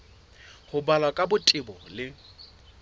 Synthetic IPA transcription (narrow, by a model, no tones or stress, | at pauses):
hʊbalwakʼabʊtʼɪbɔlɪ